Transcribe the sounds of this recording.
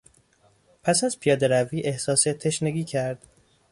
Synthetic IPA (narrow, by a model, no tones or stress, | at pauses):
pʰæsæzpʰijɒːd̪e̞ɾæviːʔe̞hsɒːset̪ʰe̞ʃneɡiːcʰæɾd̪̥